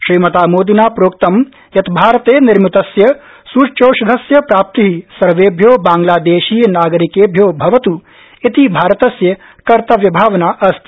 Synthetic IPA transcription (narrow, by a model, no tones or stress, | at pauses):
ʃɾiːmɐt̪aːmoːd̪inaːpɾoːk̚t̪ɐm | jɐt̪bʱaːɾɐt̪eːnɪɾmit̪ɐsjɐ | suːt͡ʃoːʃɐd̪ʱɐsjɐpɾaːp̚t̪iɦisɐɾʋeːbʱjoːbãːŋɡlaːd̪eːʃiːjnaːɡɐɾikeːbʱjoːbʱɐʋɐt̪u | it̪ibʱaːɾɐt̪ɐsjɐ | kɐɾt̪ɐʋjɐbʱaːʋɐnaːʔɐst̪